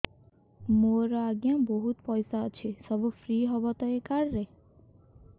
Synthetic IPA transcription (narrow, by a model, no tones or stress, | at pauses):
moɾɔaɡjãboɦut̪pʌjsat͡sʰesʌbɔpʰɾiɦʌbʌt̪ʌekarːe